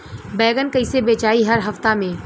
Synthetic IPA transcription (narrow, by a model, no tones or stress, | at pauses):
bɛːɡənkəisebeːt͡ʃaːiɦɐɾɦɐft̪amẽː